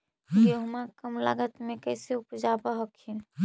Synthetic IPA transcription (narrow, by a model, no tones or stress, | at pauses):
jeɦumakəmla̰ɡət̪mẽkəɪseupd͡ʒabaɦokʰin